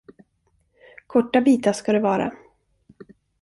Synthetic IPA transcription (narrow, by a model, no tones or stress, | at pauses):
kʰɔʈːabiːt̪aʂkad̪ɛvɑːɾa̰